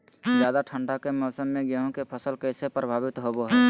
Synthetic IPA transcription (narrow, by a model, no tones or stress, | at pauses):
d͡ʒjad̪aʈʰəɳɖakemɔːsəmːeɡeɦõkepʰəsəlkəɪsepɾəbʱaːbɪt̪ɦoboɦɛ